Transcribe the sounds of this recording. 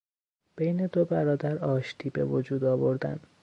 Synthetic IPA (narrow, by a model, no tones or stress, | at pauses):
b̥ejne̞d̪obæɾɒːd̪æɾɒːʃt̪ʰiːbe̞̰vod͡ʒuːd̪ɒːvo̞ɾd̪æ̰n